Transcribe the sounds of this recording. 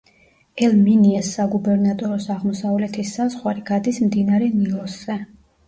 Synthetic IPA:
ɛlminiɛsːaɡubɛɾnat̪ʼɔɾɔsaʁmɔsavlɛt̪ʰisazʁwaɾiɡ̥ad̪ismd̪inaɾɛnilˠɔsɛ

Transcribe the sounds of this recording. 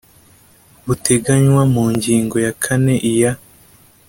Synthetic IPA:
βute̞ɡaɲwamuːɲɟiːŋɡo̞jakʰane̞ʔija

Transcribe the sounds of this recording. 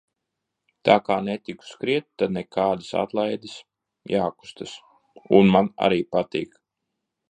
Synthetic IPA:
t̪aːkaːnɛt̪iku̥skɾiɛt̪t̪ːad̪̚nɛkʰaːd̪isa̰t̪lˠajd̪is | jaːku̥st̪ɨs | ṵnmana̰ɾiːpat̪iːk

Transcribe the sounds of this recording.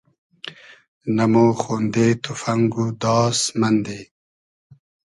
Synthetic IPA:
nɐmoxond̪et̪ʰufɐŋɡud̪ɑːsmɐnd̪e

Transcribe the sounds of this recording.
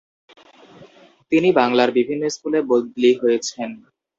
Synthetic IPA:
t̪inibaŋlaɾbibʱinːoiskulebod̪liɦojet͡ɕʰen

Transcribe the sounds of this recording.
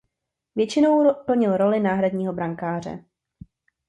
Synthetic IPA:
vjɛt͡ʃɪnowpl̩ɲɪlɾo̞lɪnaːɦɾadɲiːɦo̞bɾaŋkaːr̝ɛ̰

